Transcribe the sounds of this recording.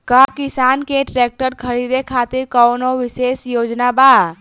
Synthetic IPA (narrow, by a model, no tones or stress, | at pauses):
kəkɪsaːnkeʈɾeːk̚ʈəɾkʰəɾid̪ekʰaːt̪iɾkəwnoʋɪseːsjoːd͡ʒnabaː